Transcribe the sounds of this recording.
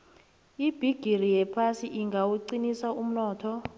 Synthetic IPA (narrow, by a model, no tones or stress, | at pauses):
ib̥ʱiɡ̥ʱirijɛpʰasiʔiŋɡʱawuǀinisaum̩nɔːtʰɔ